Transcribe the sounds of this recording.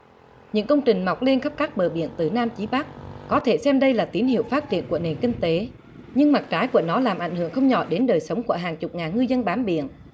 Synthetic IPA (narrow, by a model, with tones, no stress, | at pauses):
ɲɨ̰˧˥ŋkə˧wŋ͡mt͡ɕï˨˩ŋ̟ma˨˩wk͡p̚le˧nxə˦˥p̚kaː˦˥k̚ɓəː˨˩ɓḭ˧˨ənt̪ɨ˨˩naː˧mt͡ɕi˨˦ɓa˦˥k̚kɔ˨˦t̪ʰe˧˩sɛ˧mɗə˧jlaː˨˩t̪i˨˦ənhḭ˧˨əwfaː˦˥t̚t͡ɕḭ˧˨ənku˧˩əne˨˩nkï˧ŋ̟t̪e˨˦ | ɲɨ˧ŋma˨˩t̚t͡ɕaː˨˦jku˧˩ənɔ˨˦laː˨˩mʔa˧˩jŋ̟hɨ̰˧˩əŋxə˧wŋ͡mɲɔ̰˧˩ɗe˨˦nɗəː˨˩jsə˨˦wŋ͡mku˧˩əɦaː˨˩nt͡ɕʊ˨˩k͡p̚ŋaː˨˩nŋɨ˧jzə˧nɓaː˨˦mɓḭ˧˨ənʔ